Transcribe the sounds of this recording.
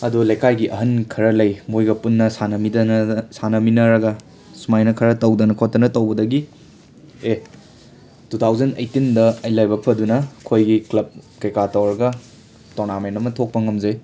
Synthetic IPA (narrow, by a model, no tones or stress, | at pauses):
ɐdulɐjkʰajɡiʔɐɦɐnkʰɐɾɐlɐjmojɡɐpunːɐsanɐmidnsanɐminɐɾɐɡɐ | sumajnɐkʰɐɾɐtɐwdɐnɐkʰotːɐnɐtɐwbɐdɐɡi | e | tʰutʰawzɐnḛjtindɐɐjlajbɐpʰɐdunɐkʰojɡiklɐb̚kɐjkatɐwɾɐɡɐ | toɾnamentɐmɐtʰok̚pɐŋɐmzɐj